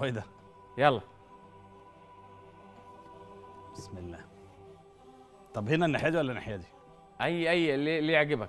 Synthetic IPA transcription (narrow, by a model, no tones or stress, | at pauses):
wæjd̪æ | jɑlːɑ | b̥esmelːæː | t̪ˤɑbhenæneħæːdiwælːæneħæːdi | ʔæjːʔæjːlːelːijeʕɡebæk